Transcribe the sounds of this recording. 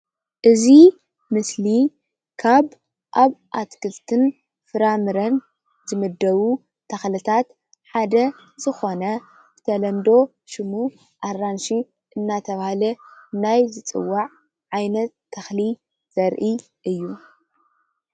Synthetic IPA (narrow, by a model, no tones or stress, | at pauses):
ʔɨzi | mɨsli | kʰaβ | ʔaβʔat̪kɨlt̪ʰɨn | fɨɾamɨɾɐn | zɨmɨd̪ːɐβu | t̪ʰɐxlɨt̪ʰat̪ | ħad̪ɐ | zɨxo̞nɐ | bɨt̪ʰɐlɐnd̪o̞ | ʃɨmu | ʔarːanʃi | ʔɨnːat̪ʰɐβahalɐnajzɨt͡sʼɨ̰wːaʕ | ʕajnɐt̪ʰːɐxli | z̥ɐɾʔi | ʔɨjːu